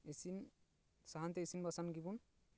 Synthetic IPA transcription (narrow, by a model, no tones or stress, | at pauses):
esin | saɦant̪eesinbasanɡibun